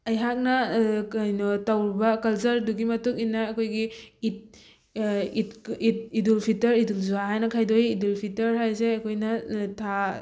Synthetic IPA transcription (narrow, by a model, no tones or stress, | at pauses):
ɐjɦak̚nɐajnotawɾibɐkɐlsɐɾduɡimɐtukinːɐːkʰojɡiit̚ | itit̚idulpʰitɐɾidulzuaɦajnɐkʰajdojːdulpʰitɐɾɦajs̬eɐkʰojnɐtʰa